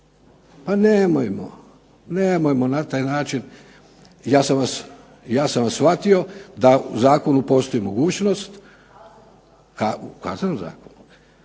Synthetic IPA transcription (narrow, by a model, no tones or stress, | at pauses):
panemojmo̰ | nemojmonat̪aːjnaːt͡ʃin | jaːsamʋas | jaːsanʋasʋat̪io̞d̪auzaːkonupo̞st̪o̞imo̞ɡuːt͡ɕno̞st̪ | kaka̰ːzanomza̰ːkonu